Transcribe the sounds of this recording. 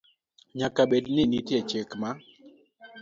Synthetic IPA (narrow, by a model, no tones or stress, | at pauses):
ɲakabednɪnitjɛt͡ʃekma